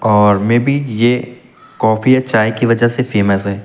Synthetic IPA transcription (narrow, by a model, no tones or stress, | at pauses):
ɔːɾmeːbʱije | kɔːfiɐt͡ʃaːikiʋɐd͡ʒəɦsefeːməsɦɛː